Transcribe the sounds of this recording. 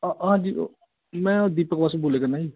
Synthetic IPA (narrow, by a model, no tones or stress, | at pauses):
ɦãːd͡ʒiːo̰ | mɛ̃ːod̪iːpəkbasuboːleːkənaːi